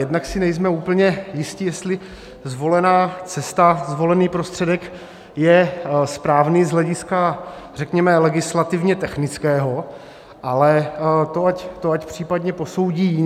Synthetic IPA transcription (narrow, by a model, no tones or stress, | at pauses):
jɛdnaksɪnɛjzmɛuːpl̩ɲɛjɪscɪjɛst̪lɪ | zvo̞lɛnaːt͡sɛst̪azvo̞lɛniːpɾo̞st̪r̝̥ɛdɛk | jɛspɾaːvnizɦlɛɟɪska | rɛkɲɛmɛlɛɡɪslat̪ɪvɲɛt̪ɛxnɪt͡skɛːɦo̞ | ʔalɛt̪oact̪oacpr̝̥iːpadɲɛpo̞sowɟiː